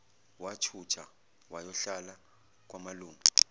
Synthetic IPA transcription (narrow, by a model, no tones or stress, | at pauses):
wat͡ʃʰut͡ʃʰa | wajɔɬala | k̬ʼwamaluːmu